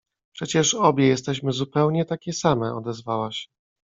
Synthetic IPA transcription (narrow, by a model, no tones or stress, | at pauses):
pʂɛt͡ɕɛʂɔbʲjɛjɛs̬t̪ɛɕmɘzupɛwɲɛt̪akʲɛsamɛʔɔd̪ɛzvawaɕ